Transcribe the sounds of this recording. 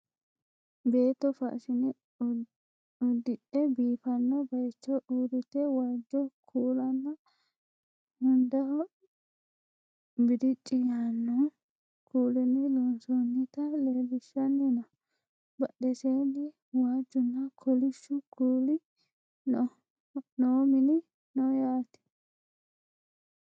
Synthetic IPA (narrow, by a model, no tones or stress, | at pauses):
beːt̪ːɔfɐ̰ʔʃɪnɪ | ɔd̪ɪɗɛbiːfɐnːɔbɐjt͡ʃːɔʔuːd̪ʊt̪ːɛwaːd͡ʒːɔkʰuːlɐnːɐ | mʊnd̪ɐ | bɪd̪ɪt͡ʃʼːɪjaːnːɔ | kʰuːlɪnːɪlɔnsɔnːɪt̪ɐleːlɪʃːɐnːɪnɐ | bɐɗɛseːnɪ | waːd͡ʒːʊnːɐkʰɔlɪʃːʊkuːlɪ | noːmɪnɪ | nɔjaːt̪ɛ̥